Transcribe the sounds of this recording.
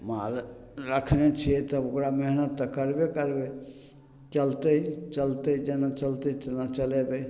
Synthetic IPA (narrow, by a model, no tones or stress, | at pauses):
mal | ɾəkʰnet͡ʃʰiet̪ɔokɾameɦnət̪ːəkəɾbekəɾbe | t͡ʃəlt̪eit͡ʃəlt̪ed͡ʒenat͡ʃəlt̪et͡ʃənat͡ʃəlebe